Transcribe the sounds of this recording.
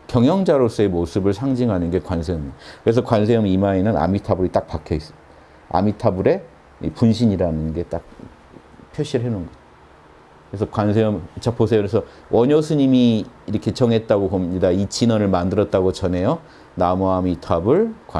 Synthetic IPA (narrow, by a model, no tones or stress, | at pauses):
kjʌŋjʌŋd͡ʑaɾos͈ɯe̞mosʰɯbɯɭsʰaŋd͡ʑiŋɦanɯnɡe̞kwansʰejʌmkɯɾe̞s̬ʰʌkwans̬ʰeʌmimaenɯna̰mitʰabuɾit͈ak̚pakʰjʌis͈ʌ̥ | a̰mitʰabuɾe̞ | ḭpunɕʰiɲiɾanɯnɡe̞t͈ak̚ | pʰjoɕ͈ʰiɾɯɭɦenonɡʌd͡ʑo | kɯɾes̬ʰʌkwans̬ʰeʌmt͡ɕʰapʰosʰeoɾesʰʌ | wʔʌɲʌsʰɯɲimiːɾʌkʰe̞t͡ɕʌŋɦe̞t̚t͈aɡokʌmɲidait͡ɕinʌnɯɭmandɯɾʌt̚t͈aɡot͡ɕʌne̞jo | namuamitʰabɯɭkw